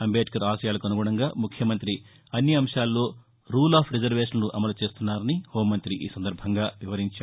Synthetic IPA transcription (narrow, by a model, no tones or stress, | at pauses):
ɐmbeːʈkɐɾaːʃɐjaːlɐkɐnuɡɔːɽɐŋɡaːmukʰjɐmɐnt̪ɾi | ɐnːjɐɐmʂaːlːo̞ː | ɾuːlaːpʰɾed͡ʒɐɾʋeːʂɐnnuʔɐmɐlut͡ʃe̞ːst̪unːaːɾɐniho̞ːmːɐnt̪ɾiʔḭːsɐnd̪ɐɾbʱɐŋɡaːʋiʋɐɾiɲt͡ʃaːɽu